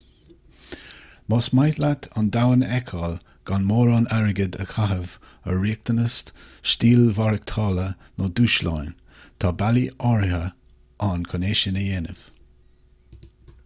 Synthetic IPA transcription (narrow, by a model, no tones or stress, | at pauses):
mɔsmajtlat̪ʰand̪awənɛkʰɑl | ɡ̥anmoːɾanaɹəɡəd̪ə̰kʰaɦəv | əɹiːk̚t̪ənəstʃtiːlvaɹək̚t̪ʰɑːlə | noduːʃla̰jn | t̪ʰaːbaliʔɔɹɪhə | ʔankʰɔneːʃənəjeːnəv̥